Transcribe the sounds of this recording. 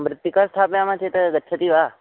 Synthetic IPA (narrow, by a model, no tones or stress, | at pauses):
mɾɪt̪jikaɾst̪ʰapnamãt͡ʃʰet̪əɡətːʃʰət̪iʋa